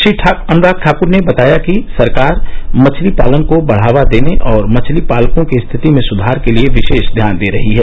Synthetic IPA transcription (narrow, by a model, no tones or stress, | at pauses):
ʃɾiːʈʰaɐ̃nɾaːk̚ʈʰaːkʊɾnebɐt̪aːjakisɐɾkaːɾmɐt͡ʃʰlipa̰ːlənkobɐɽ̤aːʋad̪eːneʔɔːɾmɐt͡ʃʰlipaːlkõkest̪ʰɪt̪imẽsʊd̪ʱaːɾkelieʋɪʃeːʃd̪ʱjaːnd̪eːɾɐɦiɦɛː